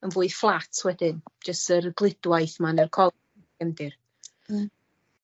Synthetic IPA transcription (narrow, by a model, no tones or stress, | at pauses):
ənvʊːɨð̥flˠatʰwɛdɪnd͡ʒəstərɡlˠɪdwajθmanərkʰɔ | ɛmdɪr